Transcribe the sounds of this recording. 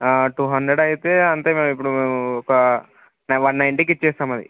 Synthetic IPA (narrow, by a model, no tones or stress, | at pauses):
ʈuːɦɐɳɖɾeɽɐjit̪eːɐnt̪eːmeːmipːuɽuɔkɐ | nʋɐnːɐjɳʈikit͡ʃːt͡ʃːɛːsaːmɐd̪ḭ